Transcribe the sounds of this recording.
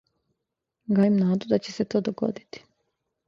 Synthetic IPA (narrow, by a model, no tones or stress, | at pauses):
ɡajimnaːd̪ud̪at͡ɕeset̪o̞ːd̪oɡo̞̰d̪i̥t̪i̥